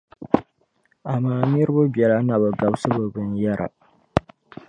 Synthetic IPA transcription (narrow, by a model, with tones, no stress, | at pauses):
a˨maː˦ni˦ɾɨ˦bu˦bjɛ˨la˦na˨bɨ˨ɡa˨bsɨ˦bɨ˨bɨ˦nja˦ɾʔa̰˨